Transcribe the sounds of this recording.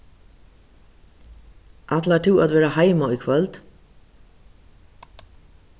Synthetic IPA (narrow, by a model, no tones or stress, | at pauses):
ʔat̪lat̪ʰɪwat̪vɛːɾahajmaʊjkʰvœlt̪